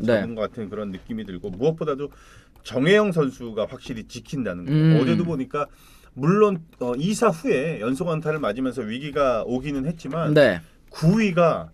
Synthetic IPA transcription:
t͡ɕeɯnɡʌk͈atʰɯnkɯɾʌnːɯk͈imidɯɭɡomuʌk̚p͈odado | t͡ɕʌŋɦe̞jʌŋsʰʌnsʰuɡaɸwak̚ɕ͈iɾit͡ɕikʰindanɯnɡʌːd͡ʑe̞doboɲik͈a | muɭːonʌisʰaɸue̞jʌnsʰoŋantʰaɾɯɭmad͡ʑimjʌnsʰʌɥiɡiɡaoɡinɯnhe̞t̚t͡ɕ͈imane | kuɥiɡa

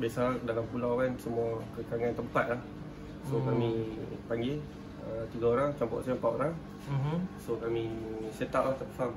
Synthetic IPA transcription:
basadalampulawansəmuakəkaŋant̪əmpat̪̚lah | sokamipaŋɡɪl | ət̪iɡaoɾaŋt͡ʃampɔ̰ʔsaəmpaʔ̪oɾaŋ | sokamĩset̪aʔlaht̪əpəsam

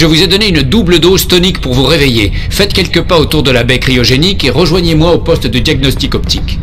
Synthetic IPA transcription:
ʒəvuzɛd̪ɔneynd̪ubləd̪ozt̪ɔnikpuʁvuʁeveje | fɛt̪kʲɛlkəpaot̪uʁd̪əlabɛkχiɔʒenikeʁəʒwaɲemwaopɔst̪d̪əd̪jaɡ̚nɔst̪ikɔpt̪ʰik

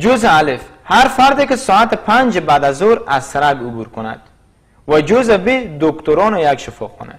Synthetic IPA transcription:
d͡ʒozaalefhaɾfaɾd̪ekisɔat̪ipʰand͡ʒbad̪azɔɾazsaɾaɡubuɾkʰuna̰d̪̥ | vad͡ʒozabid̪okt̪oɾɔnojakʃifɔχɔ̰na̰

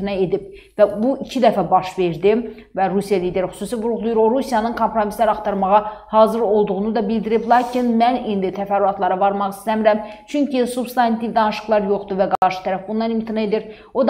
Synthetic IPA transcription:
nɑe̞d̪ib | væbuʔicʰid̪æfæbɑʃve̞ɾd̪i | væɾusijɑliːd̪e̞ɾxy̥suːsivuɾuɣlˠujuɾo̞ɾusijɑnɯnkʰo̞mpɾo̞mislæɾɑχt̪ɑɾmɑʁɑhɑːzɯɾo̞lˠd̪uʁunud̪ɑbild̪iɾiblˠɑːcʰinmænind̪it̪ʰæfæɾːuɑt̪lˠɑɾɑvɑɾmɑχist̪æmiɾæmt͡ʃʰyɲcʰisubst̪ɑnt̪ʰivd̪ɑnɯʃɯχlˠɑɾjo̞χd̪uvæɡɑʃɯ̥t̪ʰæɾæfbund̪ɑnimt̪ʰinee̞d̪iɾ | o̞d̪

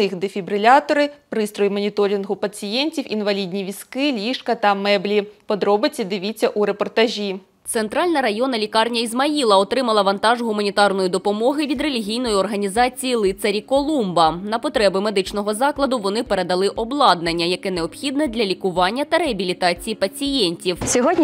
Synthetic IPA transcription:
ɪxd̪efʲibɾɪlʲɑt̪ɔɾɪpɾɪst̪ɾɔjimɔnʲit̪ɔɾʲinɦʊpɐt͡sʲijɛnʲtʲiwinʋɐlʲidʲnʲiʋʲiskɪlʲiʃkɐt̪ɐmɛblʲipɔd̪ɾɔbɪt͡sʲːɐd̪ɪʋʲit͡sʲːɐʔuɾepɔrt̪ɐʒʲi | t̪sent̪ɾɑlʲnɐɾɐjɔnɐlʲikɑrnʲɐizmɐilˠɐɔt̪ɾɪmɐlˠɐʋɐnt̪ɑʒɦʊmɐnʲit̪ɑrnɔjʊd̪ɔpɔmɔɦɪʋʲid̪re̞lʲiɦʲijnɔjiɔrɦɐnʲizɑt͡sʲijilˠɪt̪sɐɾʲikɔlˠumbɐnɐpɔt̪ɾɛbɪme̞d̪ɪt͡ʃnɔɦɔzɑklˠɐd̪ʊʋɔnɪpeɾed̪ɐlˠɪʔɔblˠɑd̪̚nɐnʲːɐjɐkɛneɔbxʲid̪nɛd̪lʲɐlʲikʊʋɑnʲːɐt̪ɐɾeɐbʲilʲit̪ɑt͡sʲijipɐt͡sʲijɛnʲtʲiwsʲɔɦɔdʲnʲ

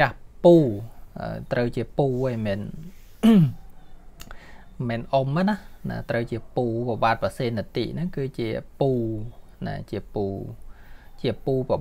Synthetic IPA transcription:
ahpuːʔə̰t̪rəwt͡ɕiəpuːəːjmɛn | mɛːnʔomːənahna̰t̪rəwt͡ɕiəpuːpaɓaːt̪̚paseːnːət̪ḭːʔnɨŋkɨːt͡ɕiəpuː | na̰t͡ɕiəpuː | t͡ɕiəpuːpə

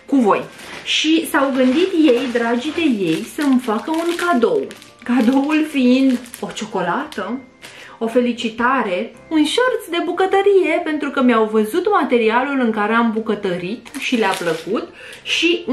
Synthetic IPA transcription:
kuvo̞̰jʃisawɡɨnd̪it̪je̞jd̪ɾad͡ʒid̪e̞je̞jsəɨmfakəunkad̪o̞w | kad̪o̞wulfiind̪o̞t͡ʃo̞ko̞lat̪ə | o̞fe̞lit͡ʃit̪aɾe̞ | unʃərt̪sd̪e̞bukət̪əɾije̞pe̞nt̪ɾukəmjawvəzut̪mat̪e̞ɾialulɨŋkaɾe̞ambukət̪əɾit̪ʃileapləkut̪ | ʃi

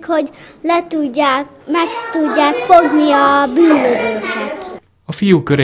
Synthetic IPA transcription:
kho̞ɟlɛt̪uɟːa | mɛkt̪uɟːaːkfoɡniɒbyːnːøzøːkɛt̪ | ɒfijukøɾe

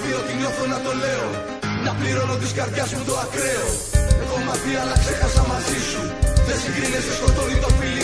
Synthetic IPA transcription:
viot̪iɲo̞θonɐto̞le̞o | nɐpliɾo̞not̪iskɐɾʝɐzmut̪oakɾe̞o | exomɐθiɐlɐksexɐsɐmɐzisu | ðesiɡɾineseskot̪oit̪o̞fili

